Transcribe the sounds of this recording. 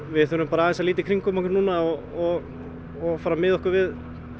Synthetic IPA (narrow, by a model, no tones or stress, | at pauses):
vɪθʏɾʏmpaːɾaːðɛnsaliːt̪ɪkʰɾiŋkʏmɔhkɪɾnuːnaɔ | ɔ | ɔfaːɾamɪðɔhkʏɾvɪð